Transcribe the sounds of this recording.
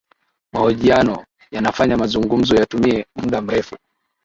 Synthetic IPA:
mahɔʄianɔ | janafaɲamazuŋɡum̩zɔjatumiɛmuɗam̩ɾɛfu

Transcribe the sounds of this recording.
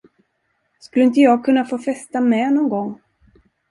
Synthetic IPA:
skɵlːəɪnt̪əjɑːɡ̚kʰɵnːafoːfɛst̪amɛnɔŋɡɔŋː

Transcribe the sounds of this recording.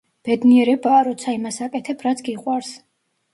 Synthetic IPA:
b̥ɛd̪niɛɾɛbaːɾɔt̪sʰaimasakʼɛt̪ʰɛpʰɾat̪sʰɡiqʼwaɾs

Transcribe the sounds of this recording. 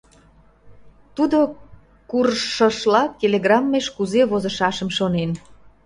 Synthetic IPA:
t̪ud̪o | kurʃə̆ʃlɑk̚t̪ʲeleɣrɑmːeʃkuzeβozəʃɑʃəmʃonen

